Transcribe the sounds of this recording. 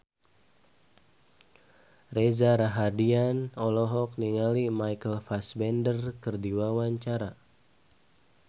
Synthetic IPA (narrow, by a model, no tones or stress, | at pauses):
rezaɾaɦadianɔlɔɦɔk̚niŋalimajkəlfasbɛndərkərdiwawaɲt͡ʃaɾa